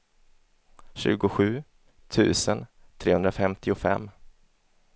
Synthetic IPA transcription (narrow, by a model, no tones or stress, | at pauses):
ɕʉ̟̰ːɡʊɧʉ̟ː | t̪ʰʉ̟̰ːsənt̪ʰɾeːhɵnɾafɛmt̪ʰɪʊfɛ̰mː